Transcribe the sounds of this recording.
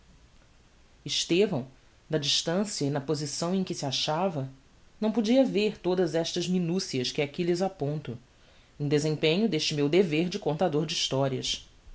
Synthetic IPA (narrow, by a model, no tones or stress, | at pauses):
iʃt̪evɐ̃w̃ | d̪ɐd͡ʒiʃt̪ɐ̃siɐinɐpozisɐ̃w̃ẽj̃kɪsiaʃavɐ | nɐ̃w̃pod͡ʒiɐveɾt̪od̪ɐzɛʃt̪ɐzminusiɐskɪakilɪzapõnt̪ʊ | ẽd̪ezẽpẽɲʊd̪eʃt͡ʃɪmewd̪eveɾd͡ʒɪkõnt̪ad̪oɾd͡ʒiʃt̪ɔɾiɐ̰ʃ